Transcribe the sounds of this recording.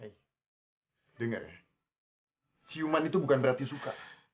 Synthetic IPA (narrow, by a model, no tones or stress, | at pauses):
aj | dəŋə̰r | t͡ʃiumanit̪ubukanbəɾart̪isuka̰